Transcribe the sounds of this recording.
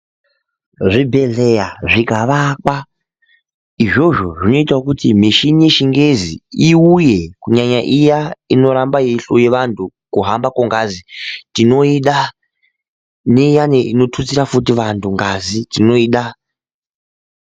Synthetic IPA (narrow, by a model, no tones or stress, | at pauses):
ʐibʱe̞ɮejaʐikaʋakwa | iʐo̞ʐo̞ʐino̞itaukutimiʃinije̞ʃiŋɡeziiujekuɲaɲaʔijaino̞ɾambajeɬoje̞ʋantʰukuɦambakoŋɡazitino̞iɗa | nejaneʔino̞tʰut͡siɾafutiʋantʰuŋɡazitino̞iːɗa